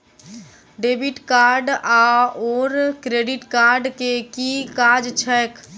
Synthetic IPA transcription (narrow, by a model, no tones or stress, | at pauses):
ɖeːbɪʈkaːɾɖaɔːɾkɾeːɖɪʈkaːɾɖkekikaːd͡ʒt͡ʃʰɛːk